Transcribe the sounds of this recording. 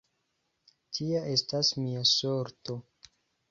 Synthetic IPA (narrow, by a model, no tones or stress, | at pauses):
tʰiaʔe̞stasmiasoɾto̞